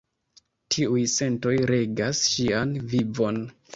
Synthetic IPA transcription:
tʰiujse̞nto̞jɾe̞ɡasʃianvivo̞n

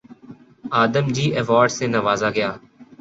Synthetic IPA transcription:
aːd̪əmd͡ʒiːʔɛʋaːɾɖsẽːnəʋaːzaːɡɪjaː

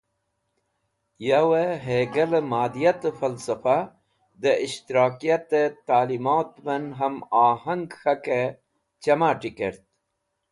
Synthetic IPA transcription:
jaweɦeɡɐləmaːd̪ijat̪əfɐlsɐfa | d̪əiɕt̪iɾaːkijɐt̪et̪aːlimoːt̪mɐnɦɐmaːhɐŋɡxɐke | t͡ɕɐmaːʈikeɾt̪̚

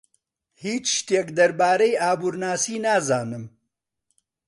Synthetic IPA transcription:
hiːt͡ʃʃt̪eːkd̪ɐɾbaːɾɐjaːbuɾnaːsiːnaːzaːnɨm

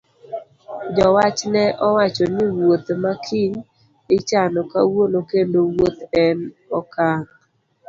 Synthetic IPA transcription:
d͡ʒɔwat͡ʃnɛʔɔwat͡ʃɔnɪwot̪makʰiɲ | ɪt͡ʃanɔka̰wonokendowot̪ɛn | ɔkaŋ

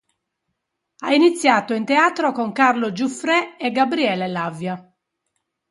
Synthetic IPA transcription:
ainit̪sːjaːt̪oint̪eaːt̪ɾokoŋkarlod͡ʒufɾɛːɡabɾiɛlelavja

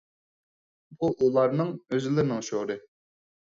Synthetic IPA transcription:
buʔulˠɑɾnɨŋøzɪlɪɾɪnɪŋʃoɾɨ

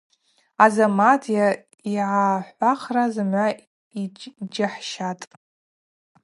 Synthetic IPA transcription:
azamatʰija | iʕaħʷaχrazɨmʕʷa | id͡ʒɪħʃatʼ

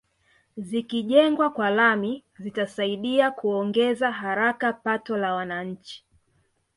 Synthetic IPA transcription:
zikiʄɛŋɡwakwalamizitasaiɗiakuɔŋɡɛzaɦaɾakapatɔlawanaɲ̩t͡ʃi̥

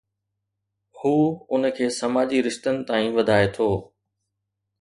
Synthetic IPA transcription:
huːʊn̆kʰeːsɐmaːd͡ʑiɾɪʃt̪ənɪ̆t̪aːĩʋɐd̪ʱaːet̪ʰoː

